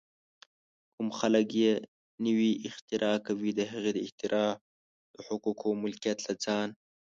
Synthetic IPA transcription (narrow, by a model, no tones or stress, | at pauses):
kʊmxaləkje | nəwiʔɪxt̪ɪɾʔɑːkawid̪əɦəɣed̪əɪht̪ɪɾʔɑː | d̪̥əħʊkukʰomʊlkijat̪lad͡zɑːn